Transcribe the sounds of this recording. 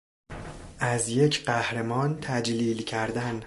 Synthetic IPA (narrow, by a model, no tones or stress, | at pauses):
ʔæzjecʰɢæhɾemɒːnt̪ʰæd͡ʒliːlcʰæɾd̪æn